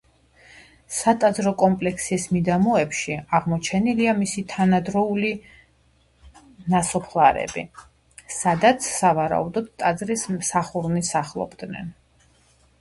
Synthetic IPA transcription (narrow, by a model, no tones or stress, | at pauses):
sat̪ʼad̪zɾɔkʼɔmpʼlɛksismid̪amɔɛpʃiaʁmɔt͡ʃʰɛniliamisit̪ʰanad̪ɾɔuli | nasɔpʰlˠaɾɛ̰bḭ | sad̪at̪sʰsavaɾa̰ud̪ɔd̪t̪ʼad̪zɾismsaχuɾnisaχlˠɔ̰bd̪nɛ̰n